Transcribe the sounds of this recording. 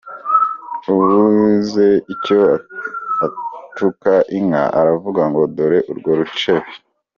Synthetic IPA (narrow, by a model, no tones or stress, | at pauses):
uβuze̞ico | atukaʔiŋa̰ʔa̰ɾavuɡaŋɡo̞doɾeʔuɾɡoɾut͡ʃeβi